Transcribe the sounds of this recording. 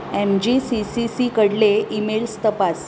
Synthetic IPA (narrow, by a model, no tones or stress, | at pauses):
emd͡ʑisisisikəɽleimelst̪əpas